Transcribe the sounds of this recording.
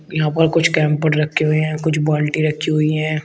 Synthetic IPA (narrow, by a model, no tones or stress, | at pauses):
jɐɦãpəɾkʊt͡ʃʰkɛ̃ːmpəɾɾɐkʰːeɦoeɦɛ̃ːkʊt͡ʃʰbɔːlʈiɾɐkʰːiɦoiɦɛ̃ː